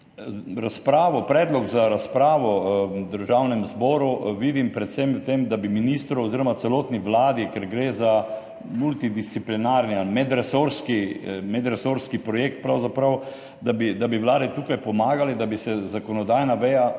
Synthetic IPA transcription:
ɾaspɾaːʋɔpɾɛːd̪lɔɡzaɾaspɾaːʋɔd̪əɾʒawnɛmzbɔːɾuʋid̪impɾɛt̪sɛmwt̪emd̪abiminist̪ɾɔɔziɾɔmat̪sɛloːt̪niʋlaːd̪ikɛɾɡɾeːza | mult̪id̪ist̪siplinaɾnialmɛd̪ɾɛsoɾskimɛd̪ɾɛsoɾskipɾɔjeːk̚t̪̚pɾawzapɾɐw | d̪abid̪abiʋlaːd̪it̪uːkajpɔmaːɡalɛd̪abisɛzakɔnɔd̪ajnaʋɛja

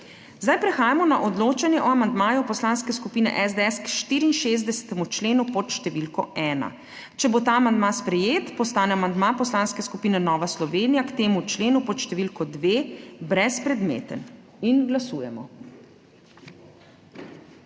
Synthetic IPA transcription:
zd̪ajpɾɛxaːjamɔnaʔɔd̪loːt͡ʃanjɛʔɔamand̪maːjɔpɔslaːnskɛskupiːnɛ̰ʔɛzd̪ɛɛskʃt̪iːɾiːnʃezd̪ɛsɛ̥t̪ɛmut͡ʃleːnupɔt̪ʃt̪ɛʋilkɔ̰ɛːna̰ | t͡ʃɛbot̪aamand̪maspɾɛjeːt̪pɔst̪aːnɛamand̪maːpɔslaːnskɛskupiːnɛnɔːʋaslɔʋeːnijakt̪eːmut͡ʃleːnupɔt̪ʃt̪ɛʋilkɔd̪ʋeːbɾɛspɾɛd̪mḛːt̪ən | inɡlasuːjɛmɔ̰

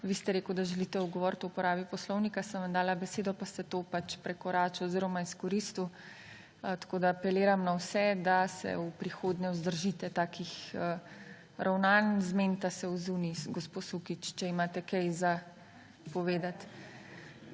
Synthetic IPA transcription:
ʋiːst̪ɛɾeːkwd̪aʒɛlit̪ɛuɡɔʋɔɾt̪ɔupɔɾaːbipɔslɔwnikasənʋamd̪aːlabɛseːd̪ɔpast̪ɛt̪opat͡ʃpɾɛkɔɾaːt͡ʃɔɔziːɾɔmaiskɔɾist̪u | t̪ḁkoːd̪aːpɛleːɾamnawsɛd̪asɛ̰upɾixoːd̪ɲɛɔzd̪əɾʒiːt̪ɛt̪aːkʰixə | ɾʔawnanzment̪asɛuzunisɡɔsposukit͡ʃt͡ʃɛimaːt̪ɛkɛjza | pɔʋeːd̪at̪

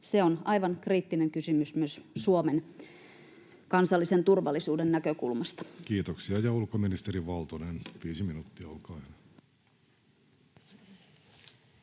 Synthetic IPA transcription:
seonɑjʋɑnkriːt̪ːineŋkysymysmyøssuomen | kɑnsɑlːise̞nt̪urʋɑlːisuːdenːnækøkulmɑst̪ɑ̥kiːt̪oksiɑjɑulkominist̪eɾiʋɑlt̪onenʋiːsiminuːt̪ːiɑolkɑːen

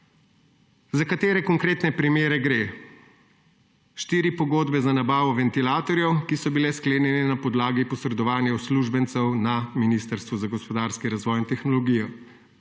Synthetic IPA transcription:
zakat̪eːɾɛkɔŋkɾeːt̪nɛpɾimeːɾɛɡɾeː | ʃt̪iːɾipɔɡoːd̪bɛzanabaːʋɔʋɛnt̪ilaːt̪ɔɾjɛwkisɔbilɛskleːnjɛnɛnapɔd̪laːɡipɔsɾɛd̪ɔʋaːnjawsluʒbɛnt̪sɛwnaminiːst̪əɾst̪ʋuzaɡɔspɔd̪aːɾskiɾazʋɔːjint̪ɛxnɔlɔɡijɔ

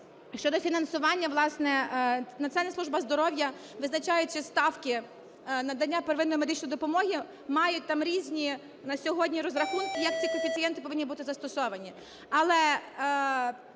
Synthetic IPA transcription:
ʃt͡ʃɔd̪ɔfʲinɐnsʊʋɑnʲːɐʋlˠɑsnɛnɐt̪sɛnɛslˠuʒbɐzd̪ɔɾɔwjɐʋɪznɐt͡ʃɑjʊt͡ʃɪst̪ɑwkɪ | nɐd̪ɐnʲːapeɾʋɪnɔjimed̪ɪt͡ʃnɔjd̪ɔpɔmɔɦi | mɑjʊt̚ʲt̪ɑmɾʲizʲnʲi | nɐsʲɔɦɔdʲnʲiɾɔzɾɐxunkɪjɐk̪̚t͡sʲikɔfʲit̪sɨjɛnt̪ɪpɔʋɪnʲːibut̪ɪzɐst̪ɔsɔʋɐnʲi | ɐlˠɛ

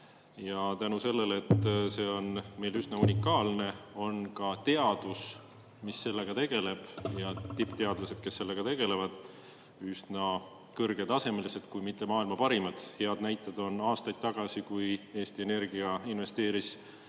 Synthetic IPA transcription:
jɑt̪ænuse̞lːe̞let̪ːse̞ːo̞nme̞jlysnɑunʲikːˑɑːlne̞o̞nkɑt̪e̞ɑd̪̥us | misːe̞lːe̞ɡ̥ɑt̪e̞ɡ̥e̞le̞b̥jɑt̪ipˑt̪e̞ɑd̪̥lɑse̞d̪̥̚ke̞sːe̞lːe̞ɡ̥ɑt̪e̞ɡ̥e̞le̞vɑd̪̥ | ysnɑ | kɤrɡ̥e̞d̪ɑse̞melise̞d̪̥kujmit̪ˑːe̞mɑːilmɑpɑɾimɑd̪̥he̞ɑd̪næjt̪ːˑɑd̪o̞nɑːst̪ɑjd̪̥̚t̪ːɑɡ̥ɑsikuje̞ːst̪ie̞ne̞rɡ̥iɑinve̞st̪e̞ːɾis

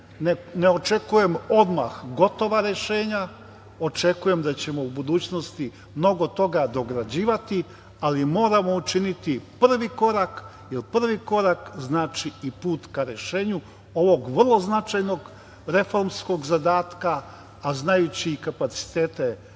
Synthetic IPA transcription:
neneo̞t͡ʃe̞kuje̞mo̞d̪maxɡo̞t̪o̞ʋaɾe̞ʃe̞ːɲa | o̞t͡ʃe̞kuje̞md̪at͡ɕe̞mo̞ubud̪uːt͡ɕno̞st̪i | mno̞ɡo̞t̪o̞ɡad̪o̞ɡɾad͡ʑiːʋat̪i | alimo̞ːɾamo̞ut͡ʃinit̪ipr̩ʋiko̞ɾak | jelpr̩ʋiko̞ɾakznaːt͡ʃiipuːt̪kaɾe̞ʃe̞ːɲu | o̞ʋo̞ɡʋrlˠo̞znat͡ʃajno̞ɡ | ɾe̞fo̞ɾmsko̞ɡzad̪aːt̪kaː | znajut͡ɕiːkapat̪si̥t̪e̞ːt̪e̞

